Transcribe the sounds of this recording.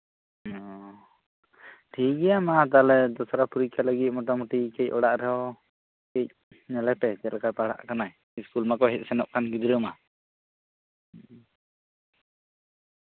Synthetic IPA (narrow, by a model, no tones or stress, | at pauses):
ɔ | ʈʰiɡɛjamat̪̬alɛd̪ɔsaɾapuɾikaləɡit̪̚mɔʈamɔʈikɛc̚ɔɽaʔɾɛɦɔ | kɛc̚ | nɛlɛpɛt̪ɛlakapaɽa̰ʔkanaɛ | iskulmakɔɦɛt̪̚ˀsɛnɔʔ̚kanɡid̪ɾəma